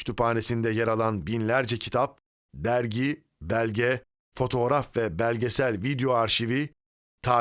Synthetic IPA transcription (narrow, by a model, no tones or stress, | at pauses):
t̪ʰupaːnesind̪ɛjaɾalˠanbinlʲæɾd͡ʒɛcʰit̪ʰap̚ | d̪æɾɟi | bælʲɟɛ | fo̞t̪ʰo̞ːɾafvɛbælʲɟesælʲvid̪ejo̞aɾʃivi | t̪ʰaː